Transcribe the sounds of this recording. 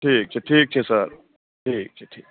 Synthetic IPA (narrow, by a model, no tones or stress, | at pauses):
ʈʰiːk̚t͡ʃʰeʈʰiːk̚t͡ʃʰesɐɾ | ʈʰiːk̚t͡ʃʰeʈʰiːk̚